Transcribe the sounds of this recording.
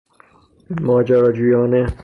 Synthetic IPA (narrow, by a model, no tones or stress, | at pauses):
mɒːd͡ʒaɾɒːd͡ʒujɒːne